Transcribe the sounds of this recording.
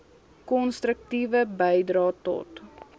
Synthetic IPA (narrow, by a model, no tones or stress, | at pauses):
kɔnstrək̚tivəbəjdrɑːtɔ̰t